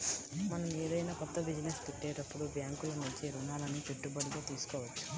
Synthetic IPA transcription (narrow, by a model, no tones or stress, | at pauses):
mɐnɐmeːɾɐjnapɐt̪ːɐbid͡ʒɐnest̪iʈːeːɾɐpːuɽubjaːŋkulɐnut͡ʃiɾunaːlɐnipeʈːubɐluɡaːt̪iːsu̥kɔːʋɐt͡ʃːu̥